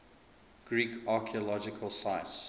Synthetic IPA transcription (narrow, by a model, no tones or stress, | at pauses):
ɡ̥ɹiːkʰɑˑkʰiɔlɔd͡ʒɪkʰəlˠsaɪts